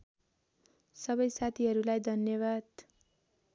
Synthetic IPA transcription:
sʌbʌjsat̪ʰiɦʌɾulajd̪ʱʌnjʌβad̪

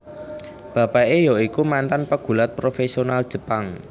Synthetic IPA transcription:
b̥a̤paʔejɔikumant̪anpəɡ̥ṳlat̪̚pɾofesionald̥ʒ̥ə̤paŋ

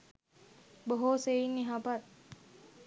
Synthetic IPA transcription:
boɦoseinːiɦapat̪

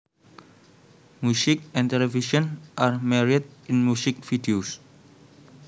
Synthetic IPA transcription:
musɪkɛ̃nt̪ɛlɛfiʃənʔarmɛɾid̪̚ɪnmusɪk̚fidios

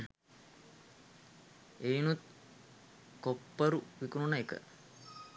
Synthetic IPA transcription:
eːnut̪̚ | kopːəɾuʋikununɐekə̰

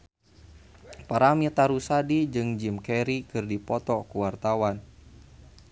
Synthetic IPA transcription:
paɾamit̪aɾusadid͡ʒɨŋd͡ʒimkɛɾikɨrdipɔt̪ɔkuwart̪awan

